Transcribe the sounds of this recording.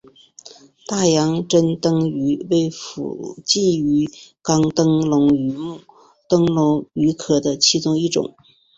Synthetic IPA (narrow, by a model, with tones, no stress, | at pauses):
t̪a˥˩jɑ˧˥ŋʈ͡ʂə˥nt̪ɤ˥ŋy˧˥we˥˩ɪfṵ˨˩t͡ɕi˥˩y˧˥kɑ˥ŋt̪ɤ˥ŋlʊ˧˥ŋy˧˥mu˥˩ | t̪ɤ˥ŋlʊ˧˥ŋy˧˥kʰɤ˨˩d̪ə˦t͡ɕʰi˥˧t͡sʊ˥˧ŋi˥˩ʈ͡ʂʊ̰˨˩˦ŋ